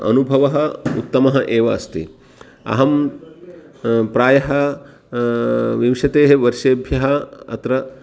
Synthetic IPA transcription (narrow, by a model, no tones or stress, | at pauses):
ɐ̰nubʱɐʋɐɦɐṵt̪ːɐmɐɦɐʔeːʋɐ̰ɐst̪ḭ | ɐ̰ɦɐm | pɾaːjɐɦɐ | ʋiʋʂɐt̪eːɦeʋɐɾʃeːbʱjɐɦɐɐ̰t̪ɾɐ